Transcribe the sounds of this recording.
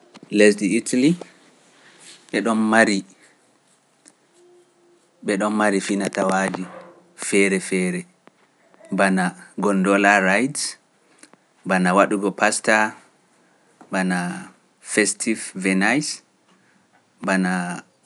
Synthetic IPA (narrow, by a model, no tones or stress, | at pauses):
lesdiitʰali | ɓɛɗɔnmaɾi | ɓɛɗɔnmaɾifinatawad͡ʒi | fɛɾɛfɛːɾɛ | banaɡɔndɔlaɾajds | banawaɗuɡɔpasta | bana | fɛstʰivvɛnajs | bana